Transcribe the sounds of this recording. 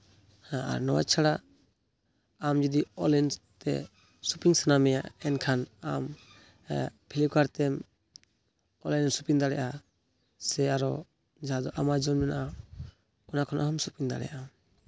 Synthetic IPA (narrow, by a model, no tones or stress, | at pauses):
hãa̰ɾnɔwa̰t͡ʃʰaɽa | amd͡ʒud̪iɔlɛnt̪ɛ̰ | supiŋsanamɛjaʔɛnkʰanam | pʰilikaɾt̪ɛm | ɔlɛnsupiŋd̪aɽɛʔa | sɛaɾɔ | d͡ʒaɦad̪ɔʔamad͡ʒɔnmɛnaʔa | ɔnakʰɔnʔaamsupiŋd̪a̰ɽɛ̰jʔa